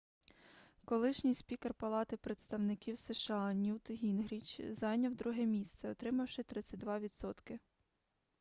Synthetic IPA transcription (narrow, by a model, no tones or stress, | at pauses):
kɔlˠɪʃnʲijspʲikɛrpɐlˠɑt̪ɪpɾet̪st̪ɐwnɪkʲiwseʃɐɑnʲut̪ɦʲinɦɾʲit͡ʃzɑjnʲɐwd̪ɾuɦɛmʲist̪sɛɔt̪ɾɪmɐwʃɪt̪ɾɪt͡sʲːɐtʲd̪ʋɑʋʲid̪sɔt̪kɪ